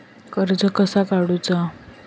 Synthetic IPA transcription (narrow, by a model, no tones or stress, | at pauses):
kəɾd͡zəkəsakaɽut͡sa